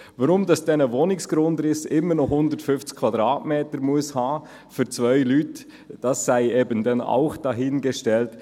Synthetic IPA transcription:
vaɾʊmdɑsd̥ɛnəvonɪksɡ̥ɾʊndɾɪsɪmːənɔχhʊndəɾtfʏnft͡skʰvɑdɾɑːtmeːtəɾmuəshɑː | fyɾt͡svœʏlyːt | d̥ɑsːæɪeːbəndɛna̰ʊχd̥ɑɦɪnɡɛʃtɛlt

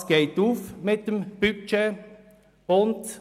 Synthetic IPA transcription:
sɡ̥eɪtuːfmɪt̚d̥əmb̥yt͡ʃe | ʊnd

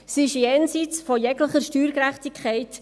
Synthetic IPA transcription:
sɪʃjɛːnsit͡sfɔjɛɡləχəɾʃtyːɾkɾæχtikʰɛɪt

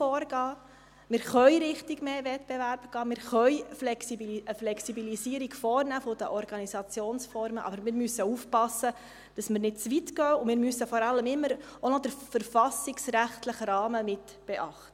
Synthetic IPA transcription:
ɔːɾɡɑː | mɪɾχœʏɾɪχtiɡmeːvɛtb̥evæɾb̥ɡ̥ɑːmɪːɾχœʏflɛksiiəflɛksibilisiːəɾiɡ̥fɔːrnæːfɔd̥əʔɔɾɡ̥ɑnisɑt͡sjoːnsfɔɾməʔɑ̰bəɾmɪːɾmysːəuːfpɑsːə | d̥ɑsməɾnɪt̚t͡sʋitɡ̥œːʊmɪːɾmysəfɔɾɑlːəmɪmːəɾonɔd̥əɾfəɾfɑsiksɾæχtləχɾɑːməmɪt | b̥ɛʔɑχtə

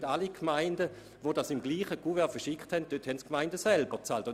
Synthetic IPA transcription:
dalikʰmaɪndə | ʋodasɪmɡliːχəɡuvɛɐfɐʃɪkthɛnt̚d̥øthɛntkmaɪndəsɛlbət͡saːltʊ

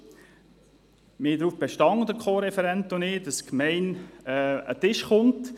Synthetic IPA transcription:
mɪːd̪ɾuːfb̥eʃtɑŋd̪əɾkʰχoːɾɛfɛɾɛntʊnɪːdɑskmɛɪnɛːə̰tɪʃχʊnt

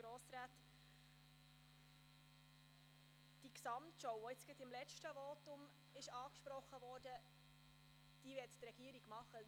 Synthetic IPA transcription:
ɾɔːsɾaːt̪ | d̥iksɑmtʃɔwɔɪt͡sɡ̥ɪtɪmlɛt͡ʃʃtəvɔtʊm | ɪʃɑːkʃpɾɔχːəvɔːɾd̥ə | d̥iːvɪttɾɛɡiəɾiɡ̥mɑχːə

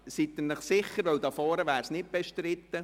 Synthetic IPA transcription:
sit̪ːənəχsɪχəɾʋœwd̪ɑfɔːɾəʋæːɾsnɪt̚b̥eʃtɾɪt̪ːə

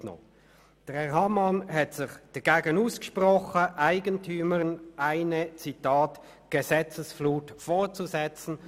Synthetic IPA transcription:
no̰ | d̥əʁɛhɑmɑnhɛtsɪχd̥ɐɡ̥eːɡənuːskə̥ʃpʁɔχəʔaɪɡəntʰyːməʁnʔaɪnət͡sitɑːt | ɡ̥əzɛt͡səsfluːtfoːt͡suzɛt͡sn̩

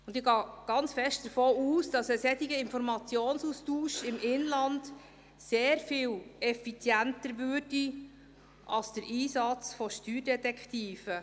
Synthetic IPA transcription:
ʊndɪɡɑːɡ̥ɑnt͡sfɛʃt̚d̥əɾfoːuːsd̥ɑsəsɛtiɡəɪnfɔɾmɑt͡sjoːnsustuːʃɪmʔɪnlɑnd | seːɾfiːlɛfit͡sjæntəɾʋøːrdi | ʔɑlsd̥əɾʔiːsɑt͡sfɔʃtyːɾdɛtɛkχtiːfə

